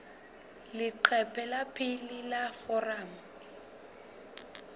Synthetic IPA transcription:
lɪǃʰɛpʰɛlapʰʼɪlilafɔram̩

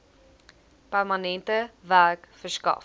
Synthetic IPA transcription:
pærmɐnɛntəvæɾkfəskɐ̰

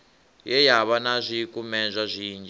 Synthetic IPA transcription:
jɛjaβanazʷikumɛnzʷazʷiːnd͡ʒ

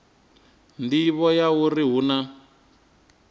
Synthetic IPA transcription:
ndiβɔjauriɦuna

